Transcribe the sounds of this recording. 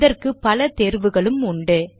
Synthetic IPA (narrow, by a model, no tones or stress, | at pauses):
ðɐrkɯpːɐlɐt̪eːɾʋɯɣɐɭɯmʊɳɖɯ